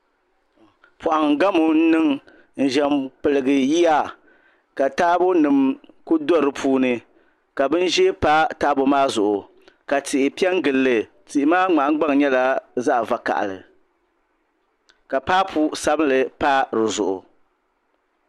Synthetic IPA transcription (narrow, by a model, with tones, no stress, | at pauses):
pʊ˨ʔa˨ŋ˨ɡa˦mu˨n̩˦nɨ˦ŋ | n̩˨ʒɛ˨mk͡pɨ˨lɨ˨ɡɨ˨ji˦ja˦ | ka˨taː˦bo˦nɨ˨mku˦dɔ˦ɾɨ˨pʰuː˦nɨ˨ | ka˨bɨ˦n˦ʒɛ˦pa˦ta˦bo˨maː˦zʊ˨ʔʊ˨ | ka˨tɪ˨ʔɪ˨pi˦ɛ˦ŋ˦ɡɨ˨lːɨ˨ | ti˨ʔɪ˨maː˦ŋ͡ma˨ʔŋ˦ɡ͡ba˦ŋ˨ɲɛ˦la˨za˦ʔva˨ka̰˨ʔlɨ̰˨ | ka˨paː˦pʰu˦sa˦bɨ˦lɨ˨pa˦ɾɨ˨zʊ̰˨ʔʊ̰˨